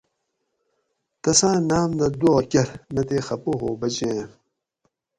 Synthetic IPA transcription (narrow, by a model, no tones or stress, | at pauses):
t̪ɐsãːnaːmd̪ɐd̪okʲɐɾnɐt̪eːxɐpoɦoːbɐt͡ɕẽː